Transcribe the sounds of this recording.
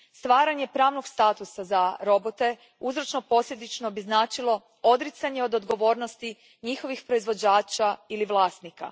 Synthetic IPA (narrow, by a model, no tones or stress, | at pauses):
st̪ʋaːɾaɲe̞pɾaːʋno̞ɡst̪aːt̪usazaɾo̞bot̪e̞ | uzɾot͡ʃno̞po̞sʎʲed̪it͡ʃnobiznaːt͡ʃilˠo̞ | o̞d̪ɾit̪saɲe̞o̞d̪od̪ɡo̞ʋo̞ːɾnost̪i | ɲixo̞ʋixpɾo̞izʋo̞d͡ʑaːt͡ʃailiʋlˠaːst̪nika̰